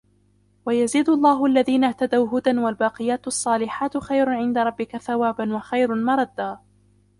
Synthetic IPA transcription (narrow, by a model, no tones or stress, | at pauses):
wajaziːd̪ʊɑlˤːɑːɦʊʔalːaðiːnaht̪ad̪awɦʊd̪anwalbɑːqɨjaːt̪ɑsˤːɑːlɪħaːt̪xajɾʊʕɪnd̪aɾˤɑbːɪkaθawaːbanwaxajɾʊnmɑɾˤɑd̪ːaː